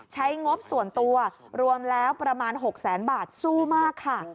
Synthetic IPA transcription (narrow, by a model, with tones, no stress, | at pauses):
t͡ɕʰa˦˥jŋo˦˥p̚su˨˩ənt̪u˧ɐ | ɾu˧əmlɛː˦˥wpɾa˧maː˧nɦo˨˩k̚sɛː˩˦nbaː˨˩t̪̚suː˥˩maː˥˩kʰːa˥˩